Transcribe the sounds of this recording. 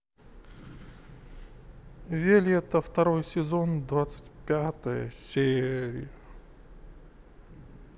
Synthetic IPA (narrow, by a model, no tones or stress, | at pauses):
vʲelʲɪɛt̪əft̪ɐɾojsʲɪzo̞nd̪vat̪sɨ̥tʲpʲat̪əjə̰sʲeɾʲɪ̰jə